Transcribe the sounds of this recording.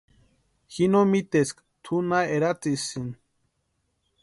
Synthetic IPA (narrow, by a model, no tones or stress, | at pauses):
xinomit̪esk | t̪ʰunaeɾat͡sisin